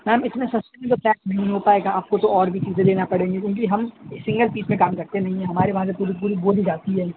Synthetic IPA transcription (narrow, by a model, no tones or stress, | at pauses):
mɛːmɪsmẽsɐsʈemẽt̪̬oplɛ̃ːksnɐɦĩɦopaːeːɡaaːp̚kot̪oɔːɾbʱit͡ʃiːzẽd̪eːnapɐɽẽːŋɡikʲjõːk̬iɦɐmsɪ̃ŋɡəlpiːsmẽkaːmkɐɾt̪enɐɦĩɦɛ̃ɦɐmaːɾeʋɐɦãs̬epuːɾipuːɾiboːd̪id͡ʒaːt̪iɦɛː